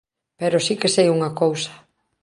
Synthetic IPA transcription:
peɾosikesejuŋakowsɐ̥

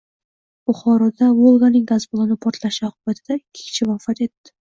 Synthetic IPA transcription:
bʊχɒɾɒd̪avolˠɡanɪŋɡazbolˠanɪpʰoɾt̪laʃɪɒqʰʊbat̪ʰɪd̪̥akʲʰe̥kʲt͡ʃʰɪvafat̪e̞t̪ːɪ̥

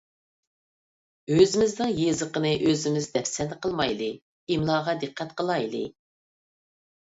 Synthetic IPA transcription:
øzɪmɪznɪŋjezəqənɨʔøzɪmɪzd̪ɛpsɛnd̪əqəlˠmɑjlˠɨ | imlˠɑːʁɑd̪ɨqʰːɑt̪qʰəlˠɑjlˠɨ̰

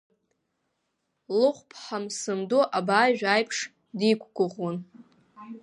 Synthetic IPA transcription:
lɨχʷpʰħamsɨmduʔabaːʒᶣajpʰʂ | dikʷʰɡʷʊʁwon

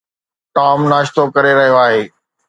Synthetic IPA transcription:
ʈ̪aːmnaːʃt̪okɐɾeɾɐɦijoaːɦeː

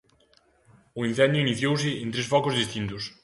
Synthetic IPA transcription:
ʊĩn̟θɛnd̪jʊiniθjows̬ɪent̪ɾesfɔkʊzðist̪int̪ʊs

